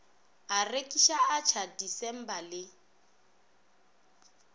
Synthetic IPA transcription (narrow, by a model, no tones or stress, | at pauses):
arekʼiʃaat͡ʃʰadisɛm̩balɪ